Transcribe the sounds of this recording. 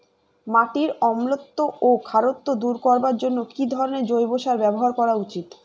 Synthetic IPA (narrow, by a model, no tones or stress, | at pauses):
maʈiɾɔmlot̪ːoʔokʰaɾot̪ːod̪uɾkɔɾbaɾd͡ʑonːokid̪ʱɔɾoneɾd͡ʑojboʃaɾbɛboɦaɾkɔɾaut͡ɕit̪